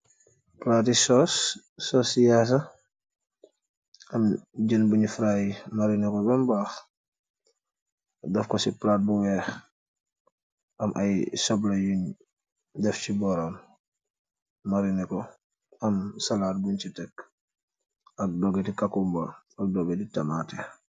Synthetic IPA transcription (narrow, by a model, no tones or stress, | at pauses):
plaːtisɔsː | ɔːsjaːs̬ɐ | ɐmɟənbuɲifɾaːjmaɾinikɔbɛmbaːx | dɐfkɔsiplaːt̚buwɛːx | ʔɐmʔɐjsɔblɐjuɲ | dɛfcibɔɾɔm | maɾinikɔ | ɐmsɐlaːt̚buɲt͡ʃitɛk | ɐk̚dɔɡetikakumba | ɐk̚dɔːɡɛtitɐmaːtɛ